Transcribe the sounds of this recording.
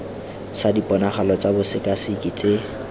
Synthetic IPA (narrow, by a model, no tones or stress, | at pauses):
sadipʼɔnaχalɔt͡sabʊsɪkʼasikʼit͡sʼe